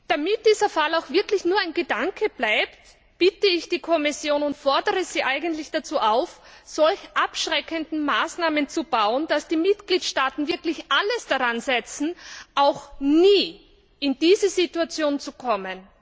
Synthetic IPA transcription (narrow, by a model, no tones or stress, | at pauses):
d̥amɪt̚d̥iːzɐfalaʊxv̥ɪɐklɪçnuːɐaɪnɡədaŋkʰəb̥laɪpt | b̥ɪtəɪçd̥iːkʰɔmɪsjoːnʊntfɔɐdəʁəz̥iːʔaɪɡəntlɪçd̥at͡suːʔaʊfz̥ɔlçʔapʃʁɛkəndn̩maːsnaːmənt͡sub̥aʊənd̥asd̥iːmɪtɡ̥liːtʃtaːtn̩vɪɐklɪçʔaləsd̥aʁanzɛt͡sn̩ʔaʊxniː | ʔɪndiːzəzituat͡sjoːnt͡sukʰɔmən